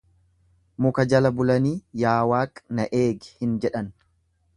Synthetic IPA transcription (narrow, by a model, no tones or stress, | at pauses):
mʊkɐd͡ʒɐlɐbʊlɐniːjaːwaːkʼnɐʔeːɡɪ̥hɪnd͡ʒɛᶑɐn